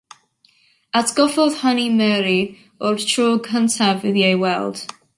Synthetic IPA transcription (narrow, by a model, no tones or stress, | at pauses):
atʰɡ̥ɔvɔðhanimɛɾi | ɔrtʰrɔːɡʰəntʰavɪðjejwɛlˠd̥